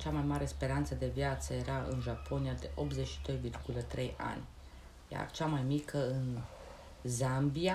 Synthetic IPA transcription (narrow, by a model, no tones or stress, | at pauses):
t͡ʃamajmaɾe̞spe̞ɾant̪səd̪e̞vjat̪səje̞ɾaɨ̰nʒapʰo̞nijad̪e̞ʔo̞pze̞t͡ʃʃi̥d̪o̞jvirɡulət̪ɾe̞ja̰nʲ | ja̰t͡ʃamajmikʰəɨn | zambia